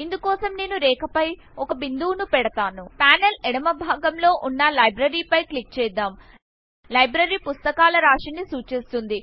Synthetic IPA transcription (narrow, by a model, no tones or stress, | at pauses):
ind̪ukɔːsɐmne̞ːnuɾɛːkɐpɐj | ɔkɐbind̪uːnupɛɽɐt̪aːnupaːnɐlɛɽɐmɐbʱaːɡɐmlo̞ːʔunːɐlɐjbɾɐɾiːpɐjklik̚t͡ʃɛːd̪aːm | lɐjbɾɐɾiːpust̪ɐkaːlɐɾaːʂinːisuːt͡ʃeːst̪und̪i